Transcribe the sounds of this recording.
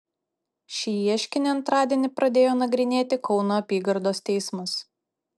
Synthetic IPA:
ʃʲiːiɛʃʲkʲɪnʲeɐnt̪ɾɑːd̪ʲiɛnʲɪpɾɐd̪ʲeːjoːnɐɡɾʲɪnʲeːt̪ʲɪkɒʊnoːɐpʲiːɡɐɾd̪oːst̪ʲɛɪsmɐs

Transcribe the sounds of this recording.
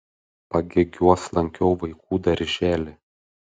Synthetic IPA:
pɐɡʲeɡʲuɔslˠɐŋʲkʲɛʊʋɐɪkʰuːd̪ɐɾʲʒʲæːlʲɪ

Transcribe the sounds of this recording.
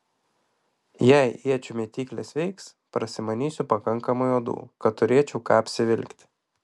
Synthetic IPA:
jɛɪiɛt͡ʃʲʊmʲiɛt̪ʲiːklʲḛsʋʲɛɪks | pɾɐsʲɪmɐnʲiːsʲʊpɐkɐŋˑkɐmʊjoːd̪ṵːkɐt̪ːʊɾʲiɛt͡ʃʲɛʊkɑːɐpʲsʲɪʋʲɪlʲkt̪ʲ

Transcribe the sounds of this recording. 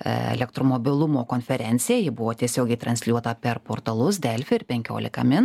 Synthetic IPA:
ɛ̰lʲɛk̚t̪ɾoːmoːbʲɪlˠʊmoːkoːnʲfʲɛɾʲɛnʲtsʲɪjɛjɪbʊʋoːt̪ʲiɛsʲoːɡʲɛɪt̪ɾɐnsʲlʲuɔt̪ɐpʲɛɾpoːɾt̪ɐlˠʊsd̪ʲɛlʲfʲɪɪɾpʲɛŋʲkʲo̰ːlʲɪ̰kɐ̰mʲɪn

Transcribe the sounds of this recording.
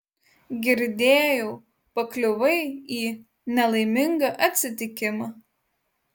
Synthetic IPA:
ɡʲɪɾʲd̪ʲeːjɛʊ | pɐklʲʊʋɐɪiː | nʲɛlˠɐɪmʲɪŋɡɐʔɐt̪ʲsʲɪt̪ʲɪkʲɪmɐː

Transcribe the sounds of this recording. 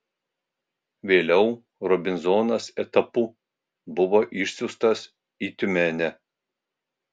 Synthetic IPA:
ʋʲeːlʲɛʊ | ɾɔbʲɪnzoːnɐsɛt̪ɐpuː | bʊʋoːʔɪʃʲsʲʊst̪ɐs | iːt̪ʲʊmʲɛnʲɛ

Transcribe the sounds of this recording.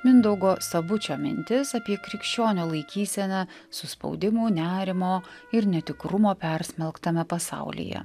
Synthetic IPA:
mʲɪnd̪ɔʊɡoːsɐbʊt͡ʃʲoːmʲɪ̰nʲt̪ʲɪsɐpʲiɛkɾʲɪkʃʲt͡ʃʲoːnʲoːlˠɐɪkʲiːsʲɛnʲɛ | sʊspɒ̰ʊd̪ʲɪmuːnʲæːɾʲɪmoː | ɪɾnʲɛt̪ʲɪkɾʊmoːpʲɛɾʲsʲmʲɛlˠkt̪ɐmʲɛpɐsɑ̰ʊlʲḭjɛ̰

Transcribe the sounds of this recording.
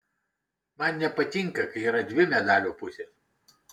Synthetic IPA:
mɐnnʲɛpɐt̪ʲɪŋkɐkɐɪiːɾɐd̪ʲʋʲɪmʲɛd̪ɑːlʲoːpʊsʲeːs

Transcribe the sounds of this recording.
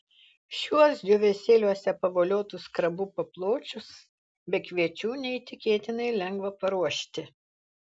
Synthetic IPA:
ʃʲuɔsd̪ʲʊʋʲɛsʲeːlʲuɔsʲɛpɐʋoːlʲoːt̪ʊskɾɐbuːpɐplˠoːt͡ʃʲʊs | bʲɛkʋʲiɛt͡ʃʲuːnʲɛit̪ʲɪkʲeːt̪ʲɪnɐɪlʲɛŋɡʋɐpɐɾuɔʃʲt̪ʲɪ

